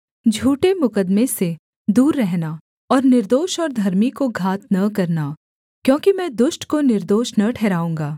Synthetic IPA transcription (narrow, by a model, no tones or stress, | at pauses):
d͡ʒʱuːʈemʊkəd̪mẽse | d̪uːɾːɛɦna | ɔːɾnɪɾd̪oːʃɔːɾd̪ʱɐɾmikoɡʱaːt̪̚nɐkɐɾna | kjõːkimɛ̃d̪ʊʃʈkonɪɾd̪oːʃnɐʈʰɛːɾaːũːŋɡaː